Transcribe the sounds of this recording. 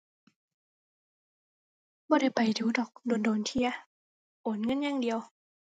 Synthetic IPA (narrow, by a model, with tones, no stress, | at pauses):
bɔː˧˦ɾa˧˥˩jpa˨˩jduː˨˦dɔː˨˩k̚doː˨˦ndoː˨nt̪ʰi˧˥ɐ | ʔoː˨˦nŋɤ˧˥˨nɲaː˧˥˨ŋdi˨əw